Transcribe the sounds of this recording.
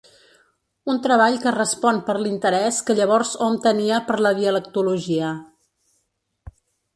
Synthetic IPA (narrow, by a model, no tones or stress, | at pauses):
unt̪ɾəβaʎkərəspɔnpəɾlint̪əɾɛskəʎəβ̞ɔɾzomt̪əniəpəɾləβiələk̚t̪uluʒiə